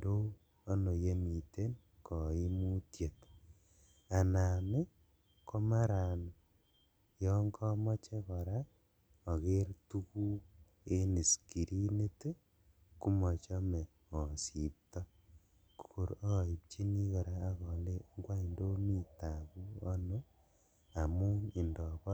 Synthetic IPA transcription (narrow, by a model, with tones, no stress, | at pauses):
ndoː˦ | no˨je˦mi˨te˦n | kɔ˨i˦mu˦tje˨t | a˨na˨me˦ | ko˦ma˦ɾa˨n | jɔŋkɔ˦mɔ˦t͡ʃe˦kɔ˨ɾa˦ | ɔ˨ɣe˦ɾtu˦ku˦ | e˦ne˨si̥ki˨ɾi˦ne˦te˦ | ku˦mo˨t͡ʃo˦me˨ | o˨si˨pta˦ | kuko˨ɾɣi˨βt͡ʃi˦ni˦ɣo˨ɾaː˦ɣo˨le˦ŋɡwa˦i˨ndo˦mi˦taβu˦o˦no˦ | a˨mu˦e˨ndo˨β